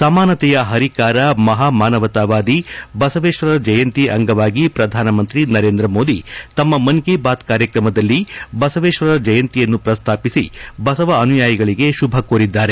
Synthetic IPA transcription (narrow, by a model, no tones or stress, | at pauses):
sɐmaːnɐt̪ɛjɐɦɐɾikaːɾɐmɐɦaːmaːnɐʋɐt̪aːʋaːd̪ibɐsɐʋeːʂʋɐɾɐd͡ʒɐjɐnt̪iʔɐŋɡɐʋaːɡipɾɐd̪ʱaːnɐmɐnt̪ɾinɐɾeːnd̪ɾɐmoːd̪it̪ɐmːɐmɐnkeːbaːd̪kaːɾjɐkɾɐmɐd̪ɐlːibɐsɐʋeːʃʋɐɾɐd͡ʒɐjɐnt̪ijɐnːupɾɐst̪ʰaːpisḭbɐsɐʋɐːnujaːjɐɡɐɭiɡe̞ʃubʱɐkoːɾid̪ːaːɾe